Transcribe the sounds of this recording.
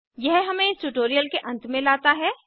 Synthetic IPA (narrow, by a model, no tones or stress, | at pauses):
jɛɦɦɐmẽɪsʈuʈoːɾijəlkeʔɐ̃nt̪mẽlaːt̪aɦɛː